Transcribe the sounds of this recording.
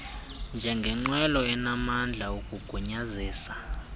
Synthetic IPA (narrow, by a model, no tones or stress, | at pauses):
nd͡ʒʱɛŋɡʱɛŋ͡ǃwɛlɔɛnamand͡ɮʱauk̬ʼuɡ̥ʱuɲaziːsḁ